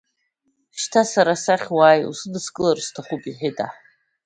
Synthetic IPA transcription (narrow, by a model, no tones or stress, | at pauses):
ʃtʰasaɾasaχʲwaːjṵsɨdɨskʼɨlarstʰaχupʼiħɪtʼa